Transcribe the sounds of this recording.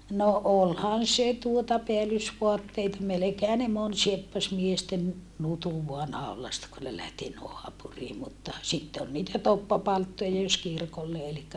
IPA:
no ʔolhɑn se tuotɑ peælysʋoɑtːeitɑ melekeːhæ ne mon siepːɑs miesten nutuʋ ʋoɑ nɑˑolˑɑstɑ kun ne læhti noɑpuriː mutːɑ sitːe ol niːtæ topːɑpɑltːojɑ jos kirkolːe elikːæ

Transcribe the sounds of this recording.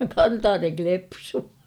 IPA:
kɑntɑːneŋ klepsuː

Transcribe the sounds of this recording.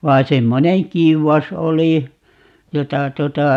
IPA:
ʋɑi semːoneŋ kiuwɑs oli jotɑ tuotɑ

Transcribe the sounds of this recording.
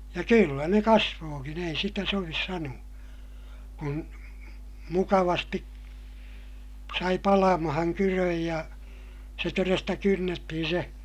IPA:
jɑ kylːæ ne kɑsʋoːkin ei sitæ soʋis sɑnuɑ kun mukɑʋɑsti sɑi pɑlɑmɑhɑŋ kyrøj jɑ se torestɑ kynːetːihin se

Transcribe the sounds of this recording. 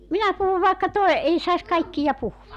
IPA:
minæ puhuʋ ʋɑˑekːɑ toe ei sɑis kɑikːijɑ puhuʋɑk

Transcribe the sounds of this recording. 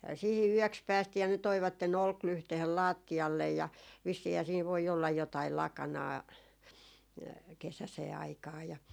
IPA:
sihi yøks pæːstiː jɑ ne toiʋɑtːen olklyhtehen lɑːtːiɑlːej jɑ ʋisːiːhæː siːn ʋoi olːɑj jotɑil lɑkɑnɑː kesæseː ɑikɑː jɑ

